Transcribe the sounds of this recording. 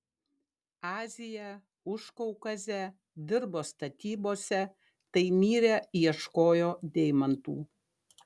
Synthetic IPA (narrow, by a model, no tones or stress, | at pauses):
ɑːzʲɪjɛ | ʊʃkɔʊkɐzʲɛ | d̪ʲɪɾboːst̪ɐt̪ʲiːboːsʲɛ | t̪ɐɪmʲiːɾʲejɛʃkoːjoːd̪ʲɛɪmɐnt̪ṵː